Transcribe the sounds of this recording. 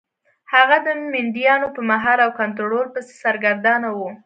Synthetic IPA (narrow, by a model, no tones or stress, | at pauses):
haɣad̪əmɪnd̪jɑnopəmaɦɑɾawkant̪ɾoɽolpəse̥saɾɡaɾd̪ɑnawu